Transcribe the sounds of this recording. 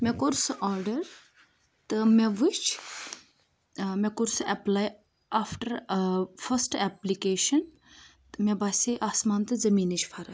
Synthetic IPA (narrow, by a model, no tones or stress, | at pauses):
mekoɾsʔɔːɾɖɐɾ | t̪ɨmeʋɨt͡ʃʰ | mekoɾsɐplaːj | aːfʈɐɾfʰɐsʈɛplikeːʃɐn | t̪ɨmebaːsiʔaːsmaːnt̪ɨzɐmiːnɨt͡ʃʰfʰɐɾɐ